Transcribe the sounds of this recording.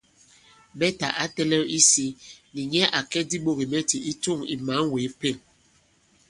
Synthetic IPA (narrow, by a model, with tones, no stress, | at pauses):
ɓɛ˦ta˨ʔa˦tɛ˦lɛ˦i˦si˦ni˨ɲɛ˦ʔa˨kɛ˦di˦ɓo˦˨ɣi˨mɛ˦ti˨i˦tu˦˨ŋi˨ma˨˦ŋweː˨˦pe˦˨n